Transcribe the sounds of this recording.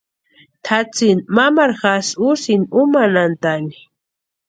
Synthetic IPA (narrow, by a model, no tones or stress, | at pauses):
t̪ʰat͡sinmamaɾxasusinumanant̪ani̥